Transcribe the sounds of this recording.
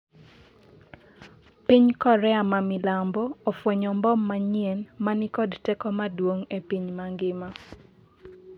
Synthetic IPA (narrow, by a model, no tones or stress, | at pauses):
piɲkɔɾɛamamɪlambɔofweɲɔmbɔmːaɲienmanikɔdtɛkɔmadwoŋepiɲmaŋɡɪma